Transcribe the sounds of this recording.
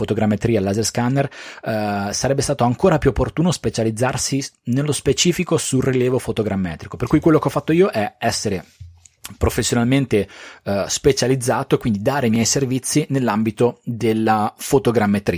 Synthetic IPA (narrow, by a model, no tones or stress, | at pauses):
fot̪oɡɾamːet̪ɾiːalazerskanːer | saɾɛbːest̪aːt̪oaŋkoːɾapjuopːort̪uːnospet͡ʃalid̪zːarsinelːospet͡ʃiːfikosuriljɛːvofot̪oɡɾamːɛːt̪ɾikoperkuːjkwelːokeɔfːat̪ːoiːoʔɛɛsːeɾe | pɾofesːjonalment̪espet͡ʃalid̪zːaːt̪oekwind̪id̪aːɾeimjɛjservit̪sːinelːambit̪od̪elːafot̪oɡɾamːet̪ɾiː